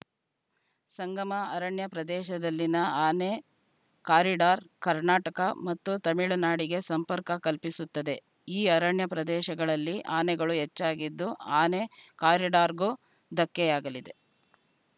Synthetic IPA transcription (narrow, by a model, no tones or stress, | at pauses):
sɐŋɡɐmɐɐɾɐɳjɐpɾɐd̪ɛːʃɐd̪ɐlːinɐaːne | kaːɾiɖaːɾkɐɾnaːʈɐkɐmɐt̪ːut̪ɐmiɭɐnaːɽiɡe̞sɐmpɐɾkɐkɐlpisut̪ːɐd̪e̞ | iːɐɾɐɳjɐpɾɐd̪ɛːʃɐɡɐɭɐlːiʔaːnɛɡɐɭuɦɛt͡ʃːaːɡid̪ːuaːnekaːɾiɖaːɾɡu | d̪ɐkːɛjaːɡɐlid̪e̞